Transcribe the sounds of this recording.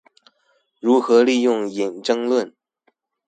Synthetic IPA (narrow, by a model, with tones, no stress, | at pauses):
ɻu˧˥xɤ˧˥li˥˧jʊ˥˩ŋi˨˩nʈ͡ʂɤ˥ŋlwə˥˨n